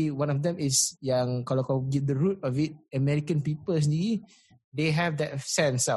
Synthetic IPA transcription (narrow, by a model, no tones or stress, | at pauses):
wãnɔfdɛ̃misjãŋkɔlɔkɔɡit̚d̪əɹut̚ɔfit̚əmɛɹikə̃npipəls̬ɛ̃ndiɡi | deɦɛvdɛtsɛ̃nsa